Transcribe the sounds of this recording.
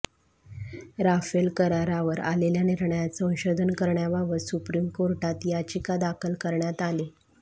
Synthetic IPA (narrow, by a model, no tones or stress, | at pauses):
ɾafelkəɾaɾaʋəɾa̰leljaniɾɳəjat͡səə̃wɕod̪ʱənkəɾɳjaʋaʋəsupɾimkoɾʈat̪jat͡ɕikad̪akʰəlkəɾɳjat̪ale